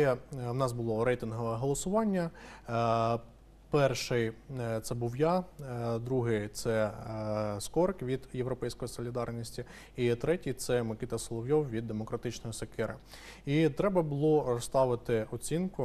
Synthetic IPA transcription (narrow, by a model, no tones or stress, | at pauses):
ɛwnɑsbʊlˠɔɾɛjt̪ɪnɦɔʋɛɦɔlˠɔsʊʋɑnʲːɐ | pɛrʃɪjt̪sɛbuwjɑd̪ɾuɦɪt̪sɛ | skɔɾkʋʲid̪jeʋɾɔpɛjsʲkɔjisɔlʲid̪ɑrnʲisʲtʲi | it̪ɾɛtʲit̪sɛmɪkʲit̪ɐsɔlˠɔʋjɔwʋʲid̪ːemɔkɾɐt̪ɪt͡ʃnɔjisɐkɪɾɐ | it̪ɾɛbɐbʊlˠɔɾɔst̪ɑʋɪt̪ɪɔt͡sʲinkʊ